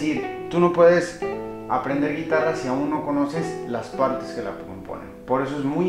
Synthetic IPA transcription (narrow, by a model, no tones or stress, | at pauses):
iɾt̪uno̞pwe̞ðe̞sa̰pɾe̞nd̪e̞ɾɣit̪arasiaunːo̞ko̞no̞se̞slaspaɾt̪eske̞la̰pkompo̞̰nḛnpo̞ɾe̞s̬oezmu